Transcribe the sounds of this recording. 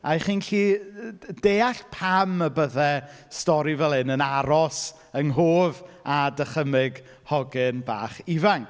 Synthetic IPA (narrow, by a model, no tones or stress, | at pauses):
aχiːnɬiː | deːaɬpʰaməbəðɛ | stɔɾivɛlˠɪnənaɾɔs | əŋɦoːvadəχəmɪɡ | hɔɡɪnba̰ːχivaŋ